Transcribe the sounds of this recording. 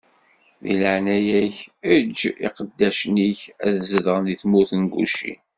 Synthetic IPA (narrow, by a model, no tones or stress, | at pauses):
ðḭləʕnæjæçəd͡ʒːḭqəd̪ːæʃniçæðzəðʁənðiθmuθənɡṵʃḭn